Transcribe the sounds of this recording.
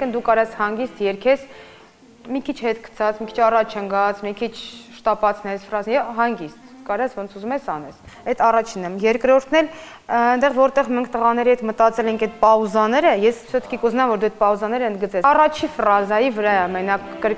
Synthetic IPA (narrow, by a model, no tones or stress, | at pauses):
si̥kʰənd̪ukɑɾɑshɑŋɡist̪jɛɾkʰɛs | mikʰit͡ʃʰhɛt̪kʰə̥t͡sʰɑt͡sʰmikʰit͡ʃʰɑrɑt͡ʃʰəŋɡɑt͡sʰmikʰit͡ʃʰʃt̪ɑpɑt͡sʰnɛsfrɑzɛɦɑŋɡist̪kɑɾɑsvɔnt͡sʰuzumɛsɑnɛsɛt̪ʰɑrɑt͡ʃʰinəmjɛɾkɾɔɾt̪ʰnɛl | ənd̪ɛʁvɔɾt̪ɛʁmɛŋkʰt̪əʁɑnɛɾiɦɛt̪mət̪ɑt͡sɛlɛŋkʰɛt̪̚pɑuzɑnɛɾəjɛssət̪ʰkikuznɑmvɔɾd̪uɛt̪̚pɑuzɑnɛɾəənd̪ɡət͡sɛrɑt͡ʃʰifrɑzɑjivəɾɑɛɑmɛnɑːəɾ